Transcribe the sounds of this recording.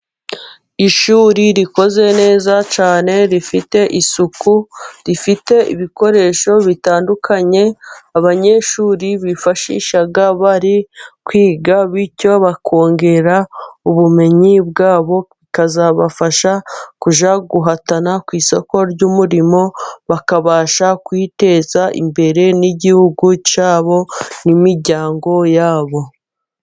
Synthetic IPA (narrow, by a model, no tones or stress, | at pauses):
iʃuːɾiɾiko̞ze̞ne̞ːzat͡ʃaːne̞ɾifite̞ʔisukuɾifite̞ḭβiko̞ɾe̞ːʃo̞βitaːndukʰaɲe̞aβaɲe̞ʃuːɾiβifaʃḭʃaɡaβaɾikwiːɡaβico̞βakʰo̞ːŋɡe̞ɾauβume̞ɲibɡaːβo̞ikazaβafaʃakuʒaɡuɦatanakwiːso̞ko̞ɾɟuːmuɾimo̞βakaβaːʃakwite̞zaʔḭmbe̞ɾe̞niɟihuɡucaːβo̞nimiɾɟaːŋɡo̞jaːβo̞